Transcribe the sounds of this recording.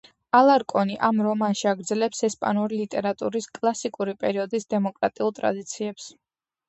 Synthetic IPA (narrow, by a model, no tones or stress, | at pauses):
alˠaɾkʼɔniʔamɾɔmanʃiaɡɾdzɛlɛpsɛspʼa̰nuɾilit̪ʼɛɾat̪ʼuɾiskʼlˠasikʼuɾipʼɛɾiɔd̪isd̪ɛmɔkʼɾat̪ʼiulˠt̪ʼɾa̰d̪it̪sʰiɛps